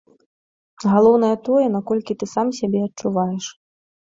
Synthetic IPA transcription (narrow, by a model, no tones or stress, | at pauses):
ɣalˠɔwn̪ɐjɐt̪ɔjɛn̪akɔlʲkʲit̪ɨsamsʲabʲɛɐtt͡ʂuvajɛʂ